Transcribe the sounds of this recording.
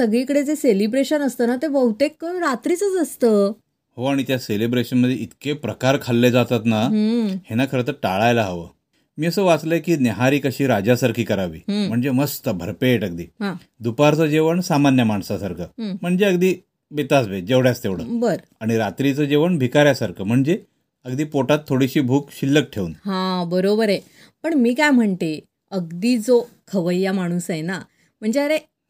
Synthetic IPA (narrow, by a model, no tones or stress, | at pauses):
səɡɭikəɽed͡zeselibɾeɕənəst̪ənat̪eʋəɦut̪ekːəɾat̪ɾit͡sət͡səst̪əː | hoaɽ̃it̪jaselibɾeɕənməd̪ʱjeit̪kepɾəkaɾkʰalːed͡zat̪at̪nahenakʰəɾət̪əɾʈaɭajlaɦaʋə̰ː | miːəsəːʋat͡sləjekiːneɦaɾiːkəɕiːɾad͡ʑasaɾkʰiːkəɾaʋḭːm̤əɳd͡zeməst̪əbʱə̰ɾpeʈəɡ̚d̪iːɦã | d̪upaɾt͡səːd͡ʑeʋəɳsamanjəmaɳsasaɾkʰəːm̤əɳd͡zeəɡd̪iː | bet̪asbed͡ʑeʋɽjast̪eʋɽ̤ə̰bəɾ | aɽ̃iɾat̪ɾit͡səd͡ʑeʋəɳbʱikaɾjasaɾkʰəːm̤əɳd͡ze | əɡd̪iːpoʈat̪ʰːoɽiɕiːbʱuːkɕilːək̚ʈʰeunɦãbəɾobəɾe | pəɳmiːkajm̤əɳt̪e | əɡd̪iːd͡zo | kʰəʋəjːamaɽ̃uːsena | m̤əɳd͡zeəɾe